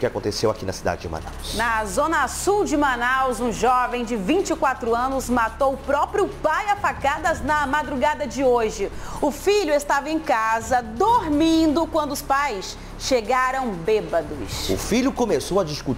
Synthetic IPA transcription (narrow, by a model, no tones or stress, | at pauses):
kɪakõt̪esewakinɐsid̪a̰d͡ʒɪd͡ʒɪ̰ma̰na̰wsnɐzõnɐsuwd͡ʒɪmɐnawzũʒɔvẽj̃d͡ʒɪvĩt͡ʃɪkwat̪ɾʊɐ̃nʊzmat̪owʊpɾɔpɾjʊpajafakad̪ɐznɐmad̪ɾuɡad̪ɐd͡ʒɪoʒɪʊfiʎʊest̪avɐẽj̃kazɐd̪oɾmĩnd̪ʊkwɐ̃nd̪ʊʊspajs | ʃeɡaɾɐ̃w̃bebɐd̪ʊsʊ̰fiʎʊkõmesowɐd͡ʒiskut͡ʃ